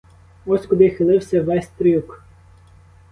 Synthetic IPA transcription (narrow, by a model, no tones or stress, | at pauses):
ɔsʲkʊd̪ɪxɪlˠɪwsʲɐʋɛsʲt̪ɾʲijuk